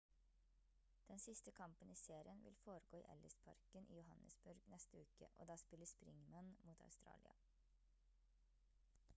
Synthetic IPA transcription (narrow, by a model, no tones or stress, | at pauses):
d̪̥ɛnsɪst̪əkʰɑmpəniːseːɾɪənʋɪ̰lfoːɾəɡoːḭːʔɛ̰ləspʰɑ̰ɾkənʔḭːjʊhɑnʔəsbʉɾɡnɛst̪əʉːkə̰ʔo̰ːd̪ɑːspɪləspɾɪŋmɑnmuːt̪ɑ̰ʉst̪ɾɑ̰ːlɪɑ̰